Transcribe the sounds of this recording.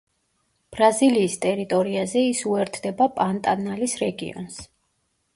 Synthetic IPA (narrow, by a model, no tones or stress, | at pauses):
b̥ɾaziliːst̪ʼɛɾit̪ʼɔɾiazɛisuɛɾt̪ʰd̪ɛbapʼant̪ʼanalisɾɛɡḭɔ̰ns